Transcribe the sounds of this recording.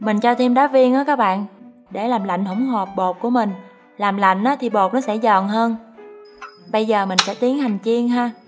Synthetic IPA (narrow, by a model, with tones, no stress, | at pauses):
mï˨˩ŋ̟t͡ɕɔ˧t̪ʰi˧mɗaː˨˦vi˧ənʔaː˨˦kaː˦˥k̚ɓa̰ː˧˨n | ɗe˧˩laː˨˩mla̰˧˨ŋ̟ho˧˩wŋ͡mɦo˨˩p̚ɓo˨˩t̚ku˧˩əmï˨˩ŋ̟ | laː˨˩mla̰˧˨jŋ̟ʔaː˨˦t̪ʰi˨˩ɓo˨˩t̚nɔ˨˦sɛ̰˧˥zə̰ː˨nɦəː˧n | ɓə˧jzəː˨˩mï˨˩ŋ̟sɛ̰˧˥t̪i˨˦əŋha˨˩jŋ̟t͡ɕi˧əŋɦaː˧